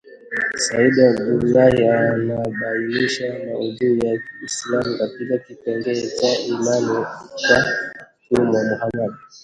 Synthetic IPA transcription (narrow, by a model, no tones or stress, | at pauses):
saiɗijaɡulahianaɓainiʃanauðujaislamukatikakipɛŋɡɛt͡ʃailalɔt͡ʃa | kumamuhaɗabi